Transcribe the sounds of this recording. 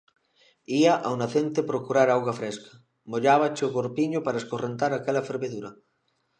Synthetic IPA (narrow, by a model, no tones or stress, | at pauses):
iaʔawnaθent̪epɾokuɾaɾawɣafɾeskḁ | moʎaβat͡ʃeoɣoɾpiɲopaɾaeskorent̪aɾakelafeɾβeðuɾɐ